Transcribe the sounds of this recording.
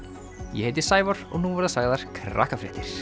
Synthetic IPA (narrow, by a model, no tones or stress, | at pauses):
jɛhejt̪ɪ̥saːjvɔɾ̥ɔ̰ɣnuvɔɾðasaɣðaɾ̥kʰɾa̰ːhkafɾɛːht̪ɪɾ̥